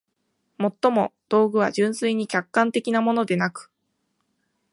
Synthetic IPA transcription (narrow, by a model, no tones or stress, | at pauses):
mo̞t̪ːo̞mo̞d̪̥o̞ːɡɯ̟β̞a̰ʑɨ̃ɰ̃sɨiɲ̟ikʲakːãnt̪e̞kʲinamo̞no̞d̪e̞nakɯ̟̥